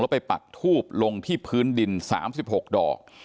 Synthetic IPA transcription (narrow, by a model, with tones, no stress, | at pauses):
ŋlːpa˧jpa̰˨˩t̪ʰːuː˥˩p̚lo˧ŋt̪ʰiː˥˩pʰɯː˦˥ndi˧nsa̰ː˩˦msi˨˩p̚ho˨˩k̚dɔ̰ː˨˩k̚